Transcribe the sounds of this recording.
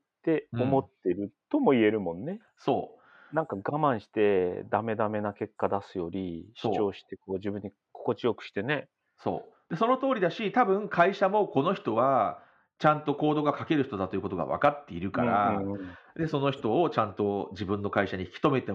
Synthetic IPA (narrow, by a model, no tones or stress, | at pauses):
t̪e̞o̞mo̞t̪ːe̞ɾɯ̟t̪o̞mo̞ie̞ɾɯ̟mõ̞nːe̞ | so̞̰ː | nãŋkaɡamãɰ̃ɕi̥t̪e̞d̪ame̞d̪ame̞nake̞kːad̪asɨjo̞ɾʲiɕt͡ɕo̞ːɕi̥t̪e̞ko̞ːʑɨːbɯ̟ɲ̟ːi | kʰo̞̥ko̞t͡ɕijo̞kɯ̟̥ɕi̥t̪e̞ne̞ | so̞̰ːd̪̥e̞so̞no̞t̪o̞ːɾʲid̪aɕit̪abɯ̟̃ŋkʰaiɕamo̞ko̞no̞çi̥t̪o̞βa | t͡ɕãnt̪o̞ko̞ːd̪o̞ɡakake̞ɾɯ̟çi̥t̪o̞d̪at̪oiɯ̟ko̞t̪o̞ɡa̰βa̰kat̪ːe̞iɾɯ̟ka̰ɾã | d̪e̞so̞no̞çi̥t̪o̞ːt͡ɕãnt̪o̞d͡ʑibɯ̟̃nːo̞kaiɕaɲ̟içi̥kʲi̥t̪o̞me̞t̪e̞